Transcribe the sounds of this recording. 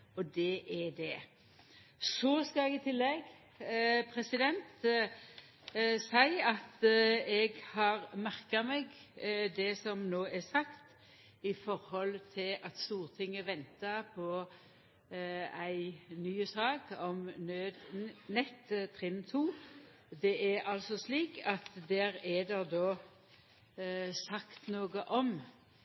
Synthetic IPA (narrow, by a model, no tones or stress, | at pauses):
ɔd̪ɛʔɛdɛ | sɔskɑɛɡɪt̪ʰɪlːɛɡ | pʰɾɛsɪd̪ɛnt̪ | sæɪɑt̪ɛɡhɑːɾmæʁkɑmɛɡd̪ɛsɔmnoːɛsɑkt̪ | ɪfɔɾhɔlt̪ʰɪlʔɑt̪st̪uːɾt̪ʰɪŋːəʋɛnt̪ɑpʰɔ | æɪnyːəsɑːɡɔmnøːd̪nɛt̪ːt̪ʰʁɪnt̪ʰuː | d̪ɛʔɛɑlsɔsliːkɑt̪d̪æːɾɛd̪ɛʁd̪oː | sɑkt̪noːɡəʔɔm